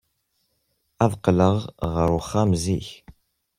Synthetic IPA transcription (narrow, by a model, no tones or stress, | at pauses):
æðqələʁʁəɾʊχamziç